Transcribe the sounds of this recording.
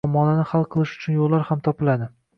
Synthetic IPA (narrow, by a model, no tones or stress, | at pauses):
ɒmɒnanɪhalˠqʰɨlˠɪʃʊ̥t͡ʃʰʊnjolːaɾhamt̪ʰɒpɪlad̪ɪ